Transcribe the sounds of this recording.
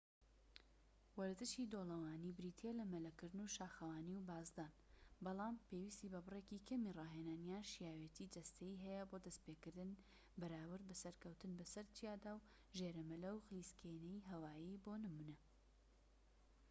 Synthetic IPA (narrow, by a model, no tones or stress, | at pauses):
wɐɾd̪ɨʃid̪oːlˠɐwaːniːbɾit̪ʰelɐmɐlɐkɨɾd̪ɨnuʃaːxɐwaːniwbaːzd̪aːn | bɑlˠɑːmpeːwist̪iːbɐbɨrekikʰɐmirˤɑːɦenaːnjaːnʃijaːwet̪ʰid͡ʒɐst̪ɐjiɦɛjɐbod̪ɐspeːkɨɾd̪ɨn | bɐɾaːwɨɾbɐsɐɾkɐwt̪ɨnbɐsɐɾt̪ʰijaːd̪aːw | ʒeɾɐmɨlɐwxliːskʰenɛjiɦɐwaːjibonɨmunɐ